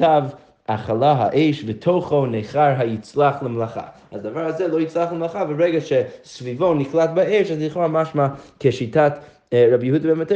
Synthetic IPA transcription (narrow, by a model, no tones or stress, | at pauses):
av | ʔaχalˠaɦa̰ʔeɪʃvɪtʰoχoneχaɹɦajit͡slˠaχlˠɪmlˠaχa̰ | azd̪avaɹazɛlˠoit͡slˠaχlɪmlˠaχavəɾɛɡaʃɛsvivoniklˠat̚baeɪʃazniχamaʃmakeʃitʰat | ɹabjuhudəbɛnmat